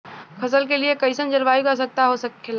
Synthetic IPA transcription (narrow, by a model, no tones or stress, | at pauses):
kʰɐsəlkeliekəɪsənd͡ʒəlʋaːiɡas̬ək̚t̪aɦosəkːel